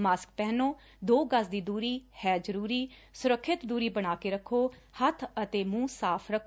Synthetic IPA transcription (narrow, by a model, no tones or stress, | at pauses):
maːsk̚pɛːnõː | d̪oːɡəsd̪iːd̪uːɾiːhɛːd͡ʒəɾuːɾiːsʊɾəkʰːɪt̪d̪uːɾiːbəɽ̃aːkeːɾəkʰːoː | hət̪ʰət̪eːmũːsaːpʰɾəkʰː